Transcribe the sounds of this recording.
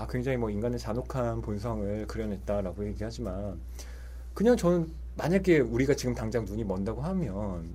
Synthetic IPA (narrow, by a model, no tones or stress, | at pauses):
akwe̞ŋd͡ʑaŋimwʌinɡanɯt͡ɕanokʰanpons̬ʰaŋɯɭkɯɾjʌnɦe̞t̚t͈aɾaɡojeɡiɭhad͡ʑiman | kɯɲaŋt͡ɕʌnɯn | maɲaɡe̞uɾiɡat͡ɕiɡɯmtaŋd͡ʑaŋnuɲimʌndaɡohamjʌn